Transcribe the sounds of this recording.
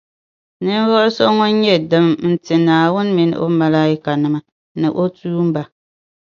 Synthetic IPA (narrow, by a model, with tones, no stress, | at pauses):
nɨ˦ɱ˦vɔ˦lso˦ŋo˦n˦ɲɛ˦dɨ˨mn̩˦tɨ˨naː˨wʊ˦n˦mi˨n̰˦ʔo̰˦ma˨laː˦i˦ka˨nɨ˨ma˨ | nɨ̰˨ʔo˦tuː˦m̩˦ba˨